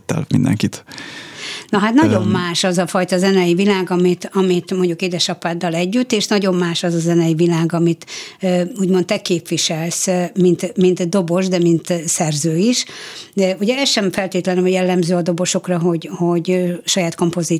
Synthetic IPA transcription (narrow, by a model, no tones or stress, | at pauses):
t̪ːɛ̰lmḭnd̪ɛ̰ŋkit̪ | nɒɦat̪nɒɟo̞mːaːʃɒzɒfɒjt̪ɒzɛnɛjivilaːɡɒmit̪ɒmit̪mo̞ɲɟukeːd̪ɛʃɒpaːd̪ːɒlɛɟːyt̪ːeːʃnɒɟo̞mːaːʃɒzɒzɛnɛjivilaːɡɒmit̪ː | uːɟmont̪ːɛkeːpʋiʃɛlsmint̪mint̪d̪o̞bo̞ʒd̪ɛmint̪sɛrzøːiʃ | uɟɛɛsʃɛɱfɛlt̪eːt̪lɛnjɛlːɛmzøːɒd̪o̞bo̞ʃo̞krɒɦo̞ɟho̞ɟʃɒjaːt̪ko̞mpo̞zi